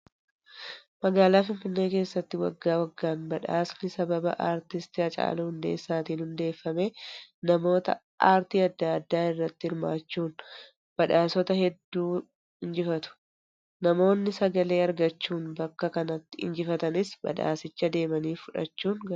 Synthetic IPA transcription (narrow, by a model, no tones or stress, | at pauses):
mɐɡaːlaːfɪnfɪnːe̞ːke̞ːsːɐt̪ːɪwɐ̰ɡːaːwɐɡːaːnbɐᶑa̰ːsnɪsɐbɐbɐ̰ʔaːɾt̪ɪst̪ɪɐt͡ʃʼa̰ːlɐhʊnd̪e̞̰ːsːaːt̪iːnhʊnd̪e̞ːfːɐme̞ːnɐmo̞ːt̪ɐ̰ | ʔaːɾt̪iːɐd̪ːaːɐd̪ːaːɪrːɐt̪ːɪɪɾmaːt͡ʃːuːn | b̥ɐᶑaːsɔt̪ɐhɛd̪ːuː | ɪnd͡ʒɪfɐt̪ʊ̥ | nɐmo̞ːnːɪsɐɡɐle̞ːɐɾɡɐt͡ʃːuːnbɐkːɐkɐnɐt̪ːɪɪ̰nd͡ʒɪfɐt̪ɐnɪsbɐ̰ᶑa̰ːsɪt͡ʃːɐd̪e̞ːmɐniːfʊᶑɐ̰t͡ʃːuːnɡɐ